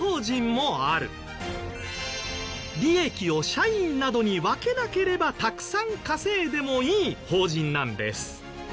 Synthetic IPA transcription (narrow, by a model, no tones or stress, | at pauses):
hoːʑĩmmo̞aɾɯ̟̰ | ɾʲie̞kʲio̞ɕaĩnnad̪o̞ɲ̟iβake̞nake̞ɾe̞bat̪akɯ̟̥sãŋkase̞ːd̪e̞mo̞iːho̞ːʑĩnːãnd̪e̞̰sɨ̥